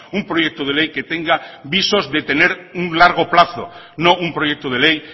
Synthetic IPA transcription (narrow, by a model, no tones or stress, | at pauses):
umpɾojɛk̚t̪oðelejket̪eŋɡaβisozðet̪eneɾuŋlaɾɣ̞oplaθo̰ | nõŋumpɾojɛk̚t̪oð̞elej